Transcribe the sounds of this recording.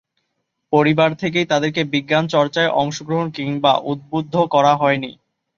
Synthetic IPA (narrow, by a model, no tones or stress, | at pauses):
poɾibaɾt̪ʰek̬ejt̪ad̪eɾkebiɡːant͡ɕɔɾt͡ɕaeʔɔŋʃoɡɾoɦonkiŋba̰ʔud̪̚bud̪ʱːokɔɾaɦɔeni